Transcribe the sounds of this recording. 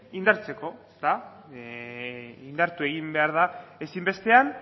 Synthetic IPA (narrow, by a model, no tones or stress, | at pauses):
ind̪aɾt͡se̞ko̞est̪a | ind̪aɾt̪ue̞ɣimbe̞aɾð̞ae̞simbe̞st̪e̞an